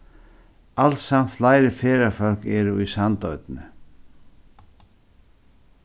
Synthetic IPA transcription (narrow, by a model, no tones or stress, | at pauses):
alt̪samt̪flajɾɪfeːɾafœlkɛːɾʊjsant̪ɔɥt̪nɪ